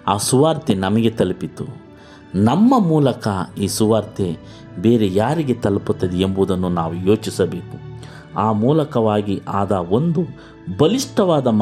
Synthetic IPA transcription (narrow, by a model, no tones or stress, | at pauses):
aːsuʋaːɾt̪enɐmɐɡe̞t̪ɐlpit̪u | nɐmːɐmuːlɐkɐiːsuʋaːɾt̪ʰe | be̞ːɾejaːɾiɡe̞t̪ɐlput̪ːɐd̪ɛembud̪ɐnːunaːʋujo̞ːt͡ʃisɐbe̞ːku | aːmuːlɐkɐʋaːɡiʔaːd̪ɐo̞nd̪u | bɐliʂʈɐʋaːd̪ɐm